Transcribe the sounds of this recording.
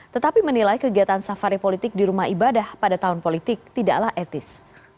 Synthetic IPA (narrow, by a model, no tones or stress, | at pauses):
t̪ət̪apimənilajkəɡiat̪ansafaɾipolit̪ɪk̚diɾumaɦibadahpadat̪aɦʊnpolit̪ɪk̚t̪ida̰ʔlahʔɛt̪ɪs